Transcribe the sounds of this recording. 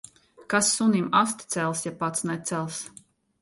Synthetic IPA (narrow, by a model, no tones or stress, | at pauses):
kasːunimast̪ʲt̪sɛlˠsjapat̪snɛt̪sɛlˠs